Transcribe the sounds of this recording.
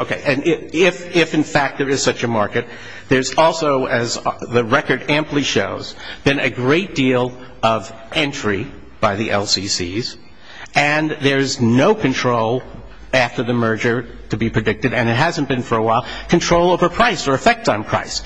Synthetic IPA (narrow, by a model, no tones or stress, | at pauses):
oʊkʰeɪʔɨ̃nɪɪfɪfɨ̃nfæk̚t̪̚ðə˞ɨz̥sʌt͡ʃɨmɑɹkɨt̪̚ | ðə˞zɔlˠsoʊɨzðɨɹɛkə˞ɾæ̃mpliʃoʊz̥bɨ̃nɨɡɹeɪt̚d̥ilˠ | ʔʌv | ɛ̃nt͡ʃɹ̥i | b̥aɪðiʔɛ̰lˠsisḭz̥ | ʔɨ̃nðə˞ɨznoʊkʰɨ̃ntʰɹ̥oʊlˠ | æftə˞ðɨmɜ˞d͡ʒə˞ | ɾɨbipʰɹ̥ɨdɪk̚tɨɾɨ̃nɨt̚ɦæzɨ̃nb̥ɨ̃nfə˞əwaɪlˠkʰɨ̃ntʰɹ̥oʊlˠoʊvə˞pʰɹ̥aɪsə˞ɨfɛk̚tsn̩pʰɹ̥a̰ɪs